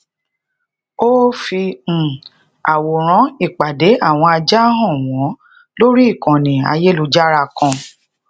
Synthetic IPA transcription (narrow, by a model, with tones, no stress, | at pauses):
o˦fi˧ñ̩˨ | a˨wo˨ɾ̃ɔ̃˨˦i˦˨k͡pa˨de˨˦a˦˨w̃ɔ̃˧a˧d͡ʒa˦ɦɔ̃˦˨w̃ɔ̃˨˦ | lo˦ɾi˦i˦˨kɔ̃˨nĩ˨a̰˧je˦lu˧d͡ʒa˦ɾa˧˨kɔ̃˧